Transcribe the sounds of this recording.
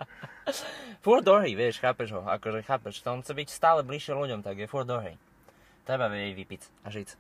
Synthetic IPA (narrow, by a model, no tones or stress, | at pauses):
fuɾd̪ɔɦɾiːʋɪɛʃxaːpɛʒɦɔa̰kɔʒɛxaːpɛʃt̪ɔɔnxt͡sɛbicst̪aːlɛbliʃːɛluɟɔmt̪aɡjɛfuɾd̪d̪ɔɦɾḭː | t̪ɾɛbaʋɛɟɛɟʋipit͡saʒit͡s